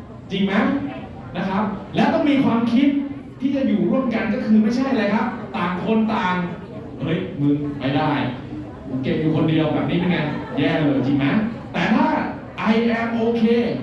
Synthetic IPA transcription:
t͡ɕi˧ŋma˦˥ | na˦˥kʰa˦˥p̚lɛː˦˥wt̪ɔ˥˩ŋmiː˧kʰwaː˧mkʰi˦˥t̪̚ʰː | iː˥˩t͡ɕa˨˩juː˨˩ɾu˥˩əmka˧nk̬ɔː˥˩kʰɯː˧ma˥˩jt͡ɕʰa˥˩jlaː˧jkʰa˦˥p̚t̪aː˨˩ŋkʰo˧nt̪aː˨˧ŋ | ʔɤ˦˥˩jmɯ˧ŋpa˦˥˩jdaː˥˩j | pʰo˩˦nke˨˩p̚juː˨˩kʰo˧ndi˧əwbɛː˨˩p̚niː˦˥mi˧nŋkaː˧njɛː˥˩lɤː˧jt͡ɕi˧ŋma˦˥t̪ɛː˨˩t̪ʰaː˥˩ | ʔa˧jʔɛ˧mʔoː˧kʰeː˧

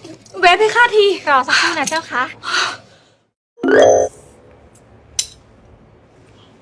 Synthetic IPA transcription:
we˦˥p̚ha˧˥˩xʰaː˥˩t̪ʰiː˧ɾɔː˨˩sa˧˦˥kʰuː˧˩˨na˦˥t͡ɕaː˥˩wkʰa˦˥ʔ

